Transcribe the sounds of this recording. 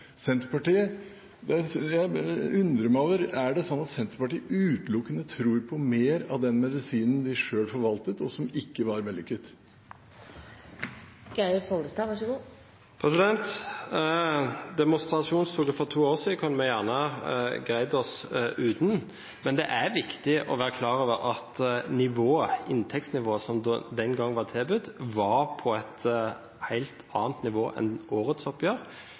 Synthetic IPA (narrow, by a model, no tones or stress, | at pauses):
sɛnt̪əɾpɑʈiːə | d̪ɛsjæɪʉnd̪ɾəmæoːʋəɾæɖɛsɔnːɑt̪sɛnt̪əɾpɑʈiːəʔʉːt̪lʊkːənət̪ʰɾuːɾpʰɔmeːɾɑʋd̪ɛnmɛd̪ɪsiːnən̩d̪ɪʂøːlfɔɾʋɑlt̪ət̪ɔsɔmɪkːəʋɑɾʋɛlɪkːət̪ | ɡ̥aɪpʰɔld̪əst̪ɑːʋɑʂəɡuː | pʰʁɛsɪd̪ɛnt̪ | d̪ɛmʊst̪ɾɑʃuːnst̪ʰuːɡəfɔʁt̪ʰuːoːɾsiːd̪əkʰʊnːəmɛjæːʁnəɡɾæɪd̪ɔsʉːd̪n | mɛnd̪ɛʔæɾʋɪkt̪ɪʔɔ̰ʋæːɾəkʰlɑːɾʁøːʋəɾɑt̪nɪʋoːəɪnt̪ʰɛkt̪snɪʋoːəsɔmd̪d̪ɛnɡɑŋːʋɑʁt̪ʰeːbʉd̪ʋɑʁpʰɔæt̪ | hæɪlt̪ɑ̰ːnt̪nɪʋoːʔɛ̰nʔoːʁət̪sɔpjøːɾ